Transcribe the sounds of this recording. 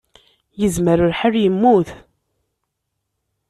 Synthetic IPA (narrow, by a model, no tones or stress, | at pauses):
jəzməɾəɾħərjəmːuθ